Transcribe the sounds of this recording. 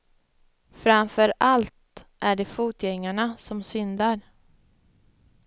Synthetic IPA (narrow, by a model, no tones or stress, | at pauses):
fɾamfœɾalt̪ʔæɖɛfuːt̪jɛŋːaɳasɔmsʏnd̪aɾ